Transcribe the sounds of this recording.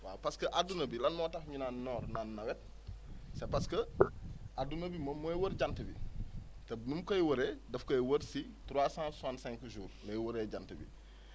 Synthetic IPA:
wa̰ːpɐskɐʔadunɐbilɐnmɔːtɐfɲunanːɔːɾnanːɐwɛt̚ | sɛpɐskɐ | adunɐbimɐmojwɐɾɟantɐbḭtɛnumkɐjwɐɾɛdɐfkɐjwɐɾsi | tuɾwaːsãːnsuaːnsɛŋkuʒuːɾlɐjwɐɾɛːɟantɐbḭ

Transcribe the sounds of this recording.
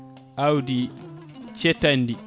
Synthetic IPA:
ʔawdi | t͡ʃɛtanːdi

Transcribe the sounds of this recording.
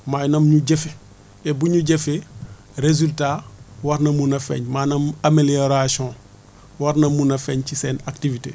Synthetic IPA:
maːjnɐmɲuɟɛfe | ɛbuɲuɟefe | ɾezyltawɐɾnɐmunɐfɛ̰ɲmanɐmamelioɾasiɔ̃ː | wɐɾnɐmːunɐfɛɲcisɛːnaktivitḛ

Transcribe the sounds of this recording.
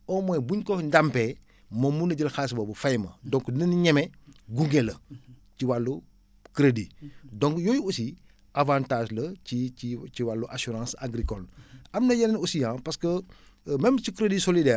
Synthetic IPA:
ɔmɔjbuɲkɔndampe | momːunɐɟəlxaːs̬bobɐfajmɐ̰dɔ̃ŋkdinɐniɲɛmeɡuŋɡelɐciwalːu | kɾedidɔ̃ŋkjojuusi | avãːntaːʒlɐt͡ʃiit͡ʃiwalːuʔasuɾãːsa̰ɡɾikɔlamnɐjɐlnosijãːpaskə | mɛmt͡ʃikɾedisolidɛː

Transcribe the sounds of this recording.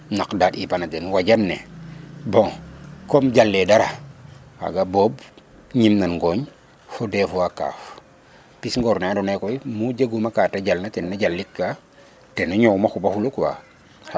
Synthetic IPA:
nakdadipanadenwaɟanːe | bõŋkomɟalːedaɾaha̰ɡabob | ɲimnanɡoɲ | fodefuwaka̰f | pisŋɡoɾnadonekojmud͡ʒeɡumakataɟalnatenːaɟalːikːa | tenaɲowmaxubahulukwa̰

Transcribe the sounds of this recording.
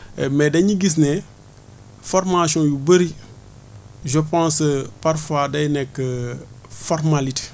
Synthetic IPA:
mɛdɐɲiɡis̬nɛ | fɔɾmasɔ̃jubəɾi | ʒəpãːspaɾfaːdɐjnɛkːə | fɔɾmalite̥

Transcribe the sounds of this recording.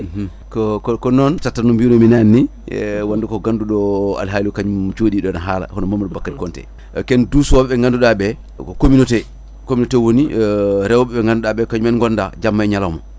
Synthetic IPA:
kɔkɔkɔnɔntatːanumbinɔminanːi | wandukɔɡanduɗɔa̰lɦalikaɲut͡ʃoɗiɗɔnaɦaːla̰hɔnamamɗɔbakːatikɔntɛ̰ | kɛndusuwaɓɛɓɛŋɡanduɗaɓɛ | kominɔtɛ | kominotɛwoniɾɛwɔɓɛɓɛŋɡanduɗaɓɛkaɲumɛnŋɡɔndad͡ʒamːaɛɲalawma̰

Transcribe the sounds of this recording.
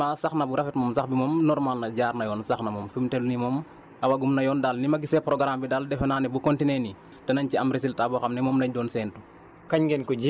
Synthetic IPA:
asaxnɐbuɾʔɐfɛtmɔmsaxbimɔmnɔɾmaːlnɐɟaːɾnɐjɔːnsaxnɐmɔmfimtɛlnimɔm | ɐwaɡumnɐjɔːndalnimɐɡisɛpɾɔɡɾaːmbidaldɛfɛnaːnɛbukontineni | d̥ɐnɐɲciɐmɾis̬iltabɔxɐmnimɔmnɐɲdɔːnsɛntu | kɐɲɡɛnkuɟi

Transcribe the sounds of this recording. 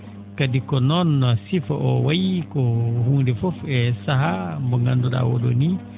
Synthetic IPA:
kadikɔnɔnːɔsifaʔɔwajikɔɦuŋdɛfofɛsaɦambɔŋanduɗa̰wɔ̰ɗɔ̰ni

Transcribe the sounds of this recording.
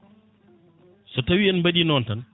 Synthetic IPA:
sɔtɐwiɛnbɐdinɔːntɐn

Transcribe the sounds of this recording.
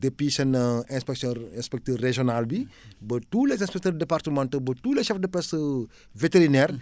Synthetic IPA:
depisɐnəɛ̃spɛksɔ̃ɛ̃spɛk̚tireʒonalbibətuːlɛzɛ̃spɛk̚tiɾdepartəmãntəbətuːlɛʃɛfdəpɛsə | veteɾinɛːɾ

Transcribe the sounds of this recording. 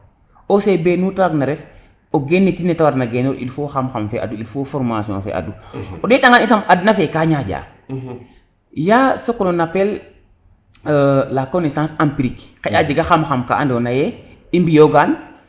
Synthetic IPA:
osebenutawaɡnaɾɛf | oɡenːetinːɛtawaɾnaɡɛnɔɾḭlfoxamxamfɛ̰ʔa̰duilfofɔɾmasiɔ̰̃nfɛ̰ʔa̰duɔɗɛɗaŋanitamadnafɛkaːɲaɟa̰ː | jasokːɔnɔnapɛl | lakonesãːnsampiɾikkead͡ʒiɡaxamxamka̰ʔandɔnajɛimbijoɡan

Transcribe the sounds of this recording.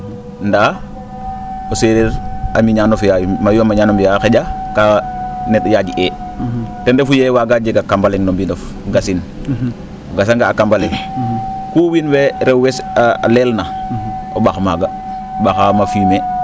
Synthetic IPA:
nda | oseɾeɾamiɲanofjajmajuamaɲaːnombijaxeɟakanɛtjad͡ʒiʔɛ | tɛndɛfujɛwaɡad͡ʒeɡakambalɛŋnombindɔf | ɡasin | ɡasaŋɡaːkambalɛŋ | kuːwinwɛɾɛwwɛsaa̰lɛːlnaobaxmaɡa | baxamafiːme

